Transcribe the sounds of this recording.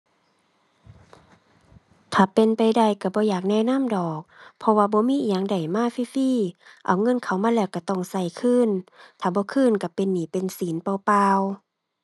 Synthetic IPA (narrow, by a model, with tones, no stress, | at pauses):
t̪ʰaː˧˩pe˧˨npa˧˨jda˧˩˨jka˧˩bɔː˧˦jaː˨˩k̚nɛː˧˨na˧˥˨mdɔː˨˩k̚pʰɔ˧waː˧˨bɔː˧˦miː˧˥˨jaː˧˨ŋda˨˩jmaː˧˥˨fiː˧˨fiː˧˨ʔa˨˩wŋɤ˧˥˨nkʰa˨˩wmaː˧˥˨lɛː˧˩˨wka˧˩t̪ɔ˧˩ŋsa˧˩jkʰɯː˧˥˨nt̪ʰaː˧˩bɔː˧˦kʰɯː˧˥˨nka˧˩pe˧˨nːiː˧˩˨pe˨nsiː˨˦npa˧˩paː˧w